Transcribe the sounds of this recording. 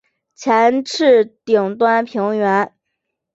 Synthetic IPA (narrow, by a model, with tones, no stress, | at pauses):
t͡ɕʰjɛ˧˥nʈ͡ʂʰɻ̩˥˩t̪i˨˩ŋt̪wa˥npʰi˧˥ŋɥɛ˧˥n